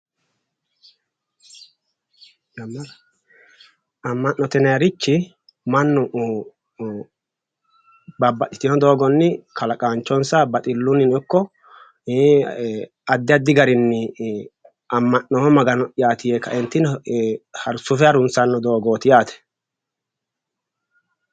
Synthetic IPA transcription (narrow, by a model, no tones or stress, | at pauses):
jɐmː | ɐmːɐnːɔt̪ɛnɐjɐɾɪt͡ʃːɪ | mɐnːʊ | bɐbːɐt̪ɪ̥t̪ɪnɔd̪o̞ːɡɔnːɪkʰɐlɐkʼaːnt͡ʃːɔnsɐbɐt̪ʼɪlːʊnɪnɔkːɔ | ɐd̪ːɪɐd̪ːɪɡɐɾɪnːɪ | ɐmːɐnːɔɔmɐɡɐnɔɪjaːt̪ɪjeːkːɐʔɛnt̪ːɪn | hɐɾsʊfɛɐɾʊnsɐnːɔd̪o̞ːɡoːt̪ɪjaːt̪ɛ̥